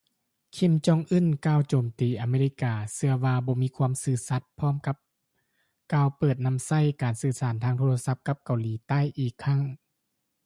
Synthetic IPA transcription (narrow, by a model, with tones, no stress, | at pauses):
kʰi˧˩˨mt͡ɕɔː˧˨ŋʔɯ˧˥˨nkaː˧˩˨wt͡ɕoː˨˩mt̪iː˨˩ʔa˨˩meː˧li˧˥kaː˧sɯ˧ɐwaː˧bɔː˧˦miː˧˥˨kʰwuː˧ə˨msɯː˧˩sa˧˦t̪̚pʰɔː˧˥˨mka˧˦p̚ | kaː˧˩wpɤː˨˩t̪̚na˧˨msa˧˥˩jkaː˨˩nsɯː˧˩saː˨˩˦nt̪ʰaː˧ŋt̪ʰoː˧la˧sa˧˥p̚ka˧˥p̚ka˨˩wliː˨˦t̪a˥˨jʔiː˨˩kʰːa˧˥˨ŋ